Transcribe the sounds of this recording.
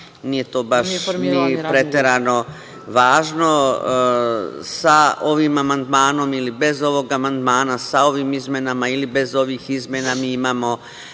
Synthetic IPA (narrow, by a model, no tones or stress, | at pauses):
niːje̞t̪oːbaʃnipɾe̞t̪eɾano̞ | ʋaːʒno̞ | sao̞ʋimamand̪maːno̞milibe̞zo̞ʋo̞ɡamand̪maːnasao̞ʋiːmizmjenamailibe̞zo̞ʋiːxizmʲjenamiːimaːmo̞